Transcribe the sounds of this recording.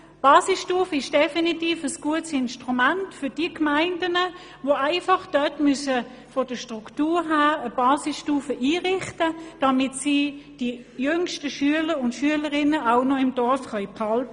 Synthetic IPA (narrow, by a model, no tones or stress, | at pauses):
b̥ɑːsisʃtuːfəɪʃd̥ɛfinitiːfəsɡ̥uətsɪnʃtʁumantfʏɐd̥iəkmaɪndənə | voaɪfɑχd̥œtmysə | fɔd̥əʃtʁ̥uktuːɦæːəb̥ɑːsisʃtuːfəʔiːʁɪχtəd̥ɑmɪtsiːd̥i | jʏŋʃtəʃyələɾʊntʃyələʁɪnəaʊnɔɪmdɔʁfχœɥphɑltə